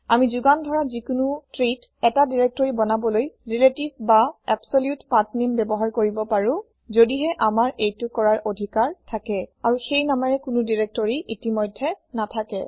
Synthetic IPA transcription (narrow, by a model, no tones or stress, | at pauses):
amizuɡandʱɔɹazikunutɹitɛtadiɹek̚tɔɹibɔnabɔlojɹiletibbaɛbsoljutpatnimbɛbɔɦaɹkoɹibɔpaɹʊ̃ | zodiɦɛʔamaɹejtʊkɔɹaɹodʱikaɹtʰakɛaɹuxejnamaɹɛkʊnʊdiɹek̚tɔɹiitimɔjdʱːɛnatʰakɛ̰